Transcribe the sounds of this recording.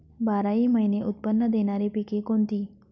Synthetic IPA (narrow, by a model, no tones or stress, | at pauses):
baɾaiːməineʔut̪̚pənːəd̪eɽ̃aɾepikekoɳt̪iː